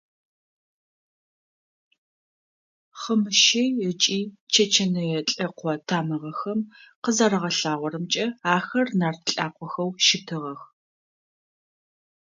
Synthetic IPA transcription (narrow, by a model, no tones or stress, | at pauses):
χəmɨʃejɛt͡ʃʼiːt͡ʃʰɐt͡ʃʰɐnɐjɛɬʼɐqʷɔtʰaːmɐʁɐxɐmqəzaːɾɐʁɐɬaːʁʷɔɾɨmt͡ʃʼɐaːxɐrnaːrt̪ʰɬʼaːqʷʰɔxɐwʃɪtʰɨʁɐx